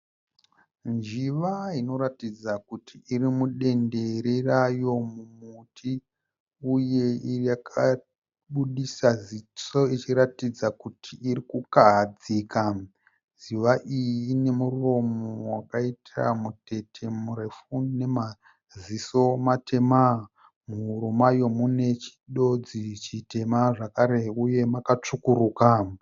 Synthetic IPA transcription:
nd͡ʒiʋaino̞ɾatid͡zakutʰiirimuɗe̞nde̞ɾerajo̞mumutʰi | uje̞irjakʰa | ɓuɗisazit͡so̞it͡ʃiɾatid͡zakutʰiːrikukaɦad͡ziːka | ziʋaʔijiiːne̞muro̞mowakaitʰa̰mute̞tʰe̞murefune̞ma | ziso̞matʰe̞ma | muɾumajo̞mune̞t͡ʃi̥ɗo̞d͡zit͡ʃite̞maʐakaɾe̞uje̞makat͡ʂukuɾuːka

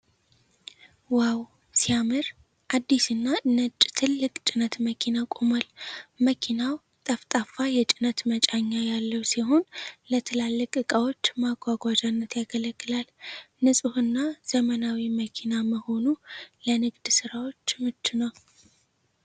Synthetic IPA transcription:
waw | sijamɨɾ | ʔad̪ːisɨnːanət͡ʃʼt̪ʰɨlːɨkʼt͡ʃʼɪnət̪məkʰinakʼoməlməkʰinaw | t̪ʼəft̪ʼafajɛt͡ʃʼɪnət̪mət͡ʃʼaɲːajalːəwsiɦo̞nlət̪ʰɨlalːəkʼɨkʼawo̞t͡ʃːmaɡʷaɡʷad͡ʒanːət̪jaɡələɡːɨlal | nɨsʼɨhɨnːaz̥əmənawiməkʰinaməho̞nulənɨɡd̪sɨɾawo̞t͡ʃːmɨt͡ʃ̪ːunəw

